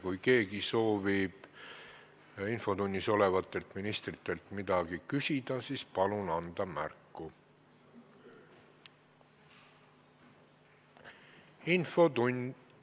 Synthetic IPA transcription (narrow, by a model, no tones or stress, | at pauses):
kujke̞ːɡiso̞ːvib̥ | info̞t̪unʲːiso̞le̞vɑt̪ːˑe̞lt̪minist̪rit̪ːˑe̞lt̪mid̪̥ɑɡ̥ikysʲid̪̥ɑsiːspɑlunɑnd̪̥ɑmæ̰rkˑːu | info̞t̪unʲ